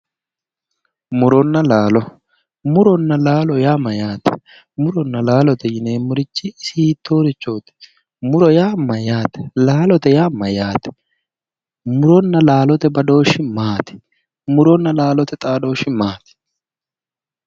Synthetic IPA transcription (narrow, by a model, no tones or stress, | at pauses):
mʊɾɔnːɐlaːlɔ | mʊɾɔnːɐlaːlɔjaːmːɐjaːt̪ɛ̥ | mʊɾɔnːɐlaːlɔt̪ɛjɪneːmʊɾɪt͡ʃːɪɪsiːt̪ʰːo̞ːɾɪt͡ʃːo̞ːt̪ɛ̥ | mʊɾɔjaːmːɐjaːt̪ɛ̥laːlɔt̪ɛjaːmːɐjaːt̪ɛ̥ | mʊɾɔnːɐlaːlɔt̪ɛbɐd̪o̞ːʃɪmaːt̪ɪ̥ | mʊɾɔnːɐlaːlɔt̪ɛt̪ʼaːd̪o̞ːʃɪmaːt̪ɪ̥